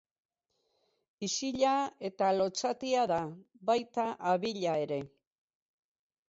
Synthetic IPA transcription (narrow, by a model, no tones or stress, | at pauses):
isiʎae̞t̪alo̞t͡sat̪iaða | βajt̪aʔaβiʎae̞ɾe̞